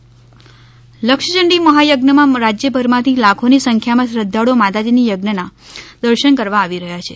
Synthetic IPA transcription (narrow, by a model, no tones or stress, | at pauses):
ləkʃəd͡ʒəɳɖiməɦajəɡnəmãɾad͡ʒjəbʱəɾmãt̪ʰilakʰonisəŋkʰjamãsɾəd̪ʱːaɽomat̪ad͡ʒinijəɡnəna | d̪əɾʃənkəɾʋaaʋiɾəɦjat͡ʃʰe